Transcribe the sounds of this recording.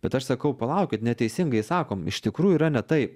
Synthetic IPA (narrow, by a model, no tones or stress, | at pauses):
b̥ʲɛt̪ɐʃsɐkɐʊpɐlˠɐˑʊkʲɪt̪nʲɛt̪ʲɛɪsʲɪŋɡɐɪsɑːkoːmɪ̰ʃt̪ʲɪkɾuːjuiːɾɐnʲɛt̪ɐɪp